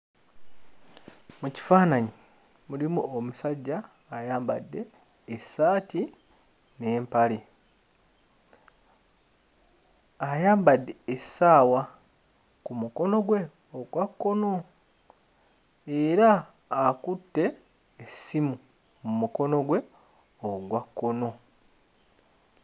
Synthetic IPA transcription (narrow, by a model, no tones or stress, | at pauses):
muci̥faːnaɲi | mulimuomusaɟːaː | jaːmba̰dːe̞ː | saːti | neːmpali | ajaːmbadːe̞ːsaːwa | kumuko̞no̞ɡwe̞ | oɡwakːo̞no | eɾaː | kutːe̞ː | simu | mumuko̞no̞ɡwe̞ | oɡwakːo̞no̞